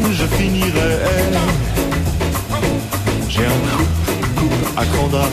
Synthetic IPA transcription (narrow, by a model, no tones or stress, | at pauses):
ʒəfiniʁɛɛ | ʒɛɛ̃kʰupkupa̰kɑ̃d̪a